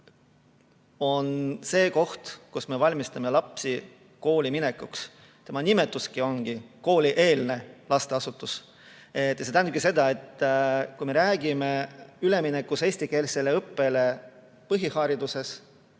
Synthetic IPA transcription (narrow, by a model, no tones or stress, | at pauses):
o̞nse̞ːko̞ht̪kusme̞vɑlʲmist̪ɑme̞lɑpsi | ko̞ːlʲimine̞kuks | t̪e̞mɑnime̞t̪ːˑuskio̞nɡ̥iko̞ːlʲiʔe̞ːlne̞lɑst̪e̞ɑsut̪ːˑus | et̪ːjɑse̞t̪æn̚p̚kise̞d̪ɑe̞t̪ːkujme̞ɾæːɡ̥ime̞yle̞minekːˑuse̞ːsʲt̪ike̞ːlsele̞ɤpːe̞le̞ | pɤɦihɑːɾid̪use̞s